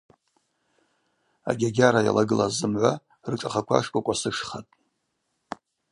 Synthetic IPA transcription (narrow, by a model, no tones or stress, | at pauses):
a̰ɡʲaɡʲaɾaja̰laɡɨlazɨmʕʷa | rɨʈ͡ʂʼaχakʷʰa̰ʂkʷʼakʷʼasɨʂχatʼ